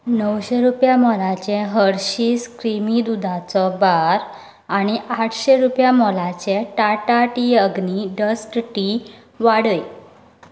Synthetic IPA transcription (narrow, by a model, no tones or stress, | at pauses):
nəwɕeɾupjamɔlat͡ɕẽɦəɾɕiːskɾimid̪ud̪ʱãt͡sɔbaɾ | aɽ̃iaʈʰɕeɾupjamɔlat͡ɕeʈaʈaʈiəɡniɖəsʈʈi | ʋaɽəj